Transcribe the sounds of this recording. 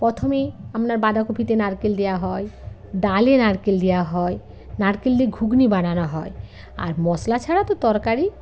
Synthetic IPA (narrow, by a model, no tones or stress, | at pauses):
pɾɔt̪ʰomiamnaɾbad̪ʱakobʱit̪enaɾkild̪ejaɦɔj | d̪alenaɽkild̪ejaɦɔj | naɽkild̪iɡʱuɡnibananɔɦɔe | a̰ɾmɔslat͡ʃʰaɽat̪ot̪ɔɾkaɾi